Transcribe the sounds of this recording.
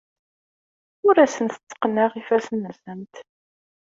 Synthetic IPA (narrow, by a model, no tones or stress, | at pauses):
ʊɾæsənθə̥t͡sːə̥qnæʁifæsənːəθənt̪